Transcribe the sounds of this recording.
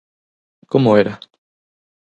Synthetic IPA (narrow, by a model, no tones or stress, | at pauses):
komoeɾa